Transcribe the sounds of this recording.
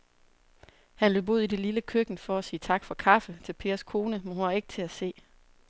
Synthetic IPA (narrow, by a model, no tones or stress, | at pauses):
hænløbo̝ðˠide̝liləkʰøɡ̥n̩fɒ̽æsiːt͡sʰɑ̈ɡ̥fɒ̽kʰɑ̈fət͡sʰe̝lpʰe̝ːɐskʰo̝ːnəmenhunhɑ̈e̝ɡ̥̚t͡sʰe̝æse̝̰ː